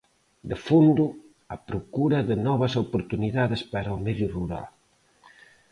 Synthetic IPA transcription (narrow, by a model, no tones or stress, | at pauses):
d̪efond̪u | ɐpɾokuɾɐðɪnɔβɐsopoɾt̪uniðaðespaɾɐomɛðjuruɾa̰l